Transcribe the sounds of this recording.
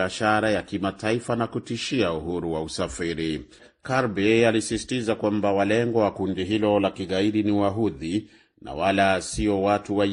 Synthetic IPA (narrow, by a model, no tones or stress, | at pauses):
aʃaɾajakimataifanakutiʃiauɦuɾuwausafiɾi | kaɾbɛalisisi̥tizakwambawalɛŋɡɔwakundiɦilɔlakiɠaiɗiniwaɦuði | na̰walasiɔwatuwa